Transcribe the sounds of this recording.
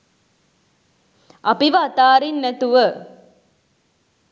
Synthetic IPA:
ɐpiʋɐːt̪aːɾinːɛt̪uʋə

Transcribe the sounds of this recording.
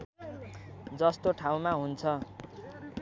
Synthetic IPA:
d͡zʌst̪oʈʰaw̃maɦunt͡sʰʌ

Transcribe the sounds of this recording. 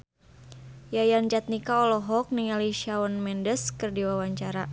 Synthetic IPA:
jajand͡ʒat̪̚nikaɔlɔɦɔk̚niŋaliʃaɔnmɛndəskɨrdiwawaɲt͡ʃaɾa

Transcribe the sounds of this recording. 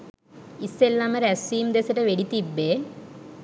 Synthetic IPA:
isːelːamɐɾɐsiːmd̪esɐʈːeʋeɽit̪ːibːe

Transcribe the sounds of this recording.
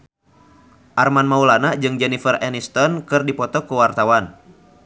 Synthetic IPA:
ʔarmanmaulanaʔd͡ʒɨŋd͡ʒɛnifərɛnist̪ɔnkɨrdipɔt̪ɔkəwart̪awan

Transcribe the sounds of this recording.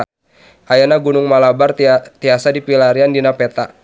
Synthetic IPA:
ʔajanaɡunʊŋmalabart̪iasadipilaɾiandinapɛt̪a

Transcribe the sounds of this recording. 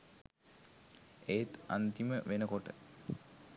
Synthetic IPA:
et̪a̰nt̪iməʋenəkoʈə̰

